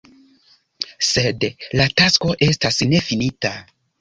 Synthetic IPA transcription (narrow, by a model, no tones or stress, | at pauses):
se̞dlatasko̞ʔe̞stasne̞finita